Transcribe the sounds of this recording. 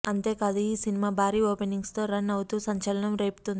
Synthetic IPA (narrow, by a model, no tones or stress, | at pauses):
ɐnt̪e̞ːkaːd̪uiːsinimaːbʱaːɾiːoːpeniŋɡst̪o̞ːɾɐnːɐwut̪uːsɐɲt͡ʃɐlɐɳɐmɾeːpu̥t̪und̪ii